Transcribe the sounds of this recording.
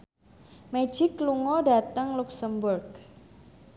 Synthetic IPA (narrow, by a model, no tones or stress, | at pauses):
me̥d͡ʒ̥ɪkːluŋɔɖa̤t̪əŋluksəmburɡ